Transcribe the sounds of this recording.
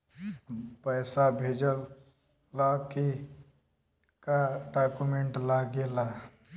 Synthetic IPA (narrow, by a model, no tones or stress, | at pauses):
pəjsabʱed͡ʒəlː | aki | kaɖakumeɳʈlaɡela